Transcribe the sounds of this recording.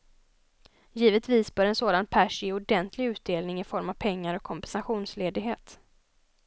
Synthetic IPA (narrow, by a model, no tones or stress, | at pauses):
jiːvət̪viːsbœːɾɛnsoːd̪anpʰæʂjeːʊdɛnt̪ʰlɪɡʉ̟ːt̪̚d̪eːlnɪŋɪfɔɾmav̥pʰɛŋːaɾɔkʰːɔmpɛnsaɧuːnsleːd̪ɪɡɦeːt̪